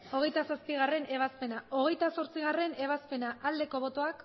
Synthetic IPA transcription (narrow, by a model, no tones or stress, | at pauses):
o̞ɣ̞e̞jt̪asaspiɣ̞are̞nʔe̞β̞aspe̞nao̞ɣ̞e̞jt̪aso̞ɾt͡siɣ̞are̞ne̞βaspe̞naald̪e̞ko̞β̞o̞t̪o̞ak